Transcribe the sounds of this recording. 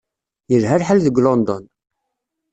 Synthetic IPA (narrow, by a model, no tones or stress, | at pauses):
jəɾɦæɾħəlðəɡlond̪ɔn